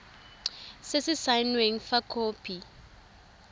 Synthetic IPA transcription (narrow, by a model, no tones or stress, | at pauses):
sɪsɪsajnweŋ̩fakʰoːpʰi